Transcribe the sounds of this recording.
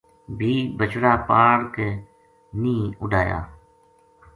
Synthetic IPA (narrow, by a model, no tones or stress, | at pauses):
bʱiːbət͡ʃɾaːpaːɽke | nĩːʊɖʱaːja̰ː